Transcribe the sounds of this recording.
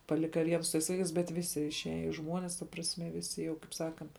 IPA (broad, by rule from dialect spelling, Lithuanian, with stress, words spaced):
pɐˈlʲɪkɐ ˈʋʲiɛn sʊ tɐɪs ˈʋɐɪkɐɪs ˈbʲɛt ˈʋʲɪsʲɪ ɪʃʲˈæːjɛ ɪ ˈʒmuɔnʲɪs tɐ prɐsʲˈmʲɛ ˈʋʲɪsʲɪ jɛʊ kɐɪp ˈsɑːkɐnt